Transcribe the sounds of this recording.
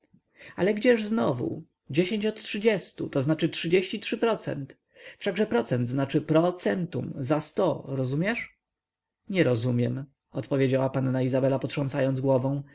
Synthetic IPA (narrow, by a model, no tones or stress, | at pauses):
a̰lɛɡd͡ʑɛʐznɔvṵ | d͡ʑeɕẽɲt͡ɕɔt̪tʂɘd͡ʑɛst̪ṵt̪ɔznat͡ʂɘtʂɘd͡ʑeɕt͡ɕitʂɘpɾɔt̪sɛ̰nt̪ | fʂaɡʐɛpɾɔt̪sɛnd̪znat͡ʂɘpɾɔt̪sɛnt̪ṵmzast̪ɔɾɔzumʲjɛʂ | ɲɛɾɔzumʲjɛm | ɔt̪pɔvʲjed͡ʑawapanːaizabɛlapɔt̪ʂɔñsajɔnd̪zɡwɔvɔ̃w̃